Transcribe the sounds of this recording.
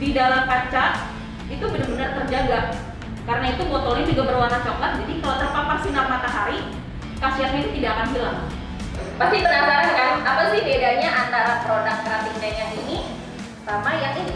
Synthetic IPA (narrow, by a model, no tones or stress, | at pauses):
didalamkat͡ʃat | it̪ubənərbənərt̪ərd͡ʒaɡa | kaɾənait̪umɔt̪olind͡ʒuɡabərwanat͡ʃamlatd͡ʒadikalat̪əpaparsinamat̪aɦaɾi | kasiat̪init̪idakanɦəlaŋ | bakit̪əɾabaɾankant̪apasɪhbedaɲaʔant̪aɾapəɾodak̚kɾabik̚naɲanini | samajaŋi